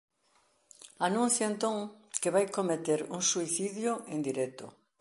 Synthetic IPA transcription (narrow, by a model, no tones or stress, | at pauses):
anũnθjʊent̪oŋkeβajkomet̪eɾuŋsuiθiðjʊʔẽnd̪iɾɛt̪ʊ̰